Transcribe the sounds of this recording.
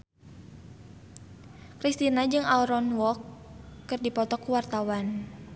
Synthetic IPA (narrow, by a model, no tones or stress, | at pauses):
kɾist̪inad͡ʒɨŋalɾɔnwɔkːɨrdipɔt̪ɔkuwart̪awan